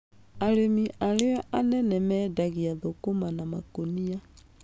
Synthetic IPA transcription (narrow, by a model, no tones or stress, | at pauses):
aɾemiʔaleɔʔanɛnɛmɛdaɣiaðokomanama̰konia